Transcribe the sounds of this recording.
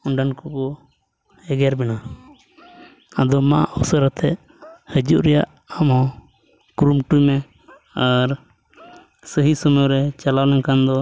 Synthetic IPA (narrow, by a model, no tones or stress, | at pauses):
uɳɖankukɔ | ɛɡɛɾbɛna | ad̪ɔma̰ɔsəɾat̪ʰɛʔ | həd͡ʒuʔɾɛjaʔ | amɦɔ̃ | kɾumʈujmɛ | aɾ | səɦisəməjɾɛt͡ʃalawlɛnkand̪ɔ